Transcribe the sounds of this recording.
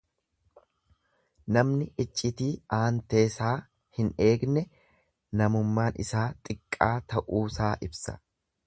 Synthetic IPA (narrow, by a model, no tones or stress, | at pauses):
nɐmnɪʔɪt͡ʃʼːɪt̪iːaːnt̪e̞ːsaː | hɪne̞ːɡnɛ | nɐmʊmːaːnɪ̰saːt̪ʼɪkʼːaːt̪ɐʔuːsaːʔɪbsɐ̥̰